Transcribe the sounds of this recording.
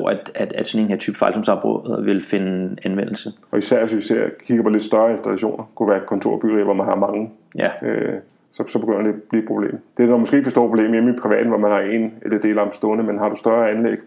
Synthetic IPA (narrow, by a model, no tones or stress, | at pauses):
æd̥æd̥æd̥sɔnenheɐt͡sʰyb̥fɑ̈ɪlsɔ̽msɑ̈ʊb̥ʁɔðʋe̝lfe̝nəænʋen̰l̩sə | ɒ̽isæɐ̰ʋesʋiseɐ̰kʰiɡ̥ɐpʰɒ̽led̥sd̥ɶɐensd̥ælæɕo̝̰ːnʔɐkʰuʋæːɐkʰɒ̽nt͡sʰo̝ɐ̰b̥yʁḭːʋɒmænhɑ̈mɑ̈ŋə | ø | sɒ̽sɒbe̝ɡ̥øn̰ɐd̥e̝b̥li̥ːpʰʁob̥le̝̰ːmd̥e̝ænɒmɒsɡ̥e̝̰ːb̥esdo̝ːɐpʰob̥le̝̰ːmjemipʰʁiʋɛ̰ːd̥n̩ʋɒmænhɑ̈e̝nelɐd̥e̝̰ːlɑmsd̥ɔ̽ːnəmenɦɑ̈ɾ̥usd̥ɶɐænleɡ̥